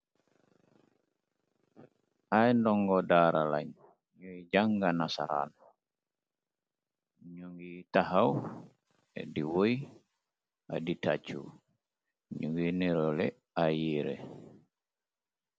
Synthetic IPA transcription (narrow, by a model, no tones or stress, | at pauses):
ʔajndɔŋɡɔdaːɾala̰ɲ | jujd͡ʒaŋɡanasa̰ɾa̰n | ɲuŋɡitaɦaw | ɛ̰diwoj | a̰ditat͡ʃṵ | ɲuŋɡiniɾɔlɛ | ajiɾɛ̰